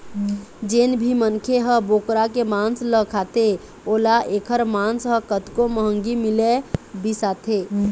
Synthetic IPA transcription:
d͡ʒeːnbʱimənkʰeɦəboːkɾakemãːnsləkʰaːt̪e | oːlaʔeːkʰəɾmãnsɦə̃kət̪koməɦəŋɡimɪlebisaːt̪ʰe

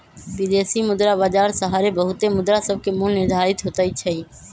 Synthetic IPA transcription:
bɪd̪eːsimʊd̪ɾabaːd͡ʒaːɾsəɦaːɾebəɦʊt̪emʊd̪ɾasəb̚ʱkemulnɪɾd̪ʱaːɾɪt̪ɦot̪ait͡ʃʰəiː

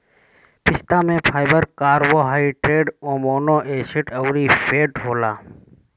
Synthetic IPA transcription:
pʰɪst̪ãːmẽːpʰaːɪbəɾkaːɾʋoːɦaːiʈɾeːɖõːmoːnoːʔeːsɪʈəwɾiːpʰeːʈɦoːlaː

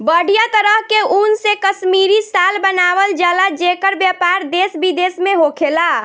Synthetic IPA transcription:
bəɽ̤ijat̪əɾəɦkeunsekəsmiɾisalbənaʋəld͡ʒalad͡ʒekəɾbjapaɾd̪esbid̪esmeɦokʰela

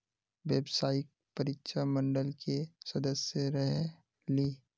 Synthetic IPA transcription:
ʋjeːbsaːɪk̚pɐɾɪtʃamə̃ɳɖəlkesɐd̪əsjəɾəɦ | liː

